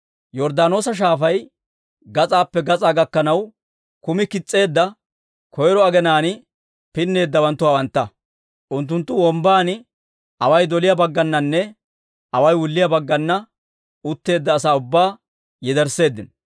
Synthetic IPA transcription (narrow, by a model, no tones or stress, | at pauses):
jɔɾd̪aːno̞ːsɐʃ̬aːfɐj | ɡɐt͡sʼaːpːɛɡɐt͡sʼaːɡɐkːɐnɐw | kʊmɪkɪt͡sʼːe̞ːd̪ːɐ | kʰɔjɾɔɐɡɛnaːnɪ | pɪnːe̞ːd̪ːɐwɐnt̪ːʊwaːwɐnt̪ːɐ | ʔʊnt̪ːʊnt̪ːʊwɔmbaːnɪ | ɐwɐjd̪ɔlɪjɐbɐɡːɐnːɐnːɛ | ʔɐwɐjwʊlːɪjɐbɐɡːɐnːɐ | ʊt̪ːe̞ːd̪ːɐːsaːʊbːaː | jɛd̪ɛɾse̞ːd̪ːɪn